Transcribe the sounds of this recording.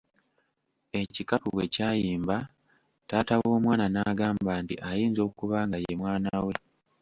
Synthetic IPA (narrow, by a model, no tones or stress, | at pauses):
e̞cikapuwe̞caːjiːmba | taːtawo̞ːmwaːnanaːɡaːmbaːntḭʔajiːnzo̞ːkuβaːŋɡajemwaːnawe̞